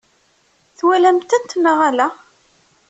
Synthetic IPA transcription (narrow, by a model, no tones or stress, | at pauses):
θwælæmt̪ænt̪ːnəʁalæ